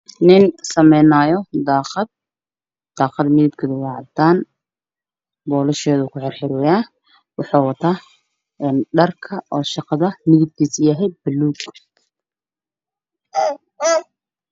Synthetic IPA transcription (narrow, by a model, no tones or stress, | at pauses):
nɪnsɐmɛjnaːjɔd̪aːqɑd̪̚ | d̪̥ɑːqɑd̪mɪðɪb̚kʰɐd̪ɪwɑːʕɑd̪aːn | bɔːlɐʃɛːðʊːkʰʊħɑrħɪɾɔːjaː | wɑħɑːwɑt̪ʰaː | ɛːnɖɐrkʰɐʔɔːʃɑqɑðɐmɪðɪb̚k̪ʰiːsjɐɦɛjb̥ɐlːuːɡ